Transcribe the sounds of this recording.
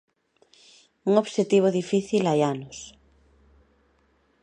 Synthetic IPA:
uŋoβʃet̪iβ̞oðifiθilajanos

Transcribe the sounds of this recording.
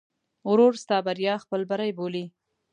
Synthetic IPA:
ɾoɾst̪ɑbaɾjɑxpəlbaɾajboli

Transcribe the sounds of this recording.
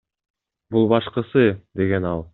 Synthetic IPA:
bulˠbɑʃqɤsɯd̪e̞ɡe̞nɑlˠ

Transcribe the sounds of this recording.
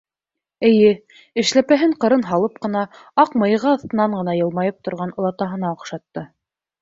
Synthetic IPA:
ɘ̆jɘ | ɘ̆ʃlæpæɦɘɴqɤ̆ɾɤnɦɑlˠɤp̚qɤ̆nɑɑqmɤ̆j̆ʁɤɑθt̪ɤ̆nɑɴɢɤ̆nɑjɤ̆lˠmɑjɤp̚t̪ŏɾʁɑnŏlˠɑt̪ɑɦɤ̆nɑoqʃɑt̪ːɤ

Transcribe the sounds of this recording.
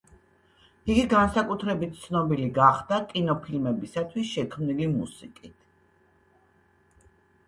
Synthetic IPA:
iɡiɡansakʼut̪ʰɾɛbit̪̚t̪sʰnɔbiliɡaχd̪̥akʼinɔpʰilmɛbisat̪ʰwisʃɛkʰmnilimṵsikʼit̪ʰ

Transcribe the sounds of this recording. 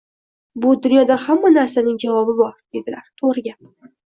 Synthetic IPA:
bʊd̪ʊnjɒd̪ahamːanaɾsanɪŋd͡ʒavɒbɪbɒɾd̪̥e̞d̪ɪlaɾt̪ʰoɾɪɡʲa

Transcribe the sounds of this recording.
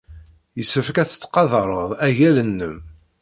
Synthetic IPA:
jəsəfkæθə̥t͡sːqɑðɾˤəðˤæʝælənːəm

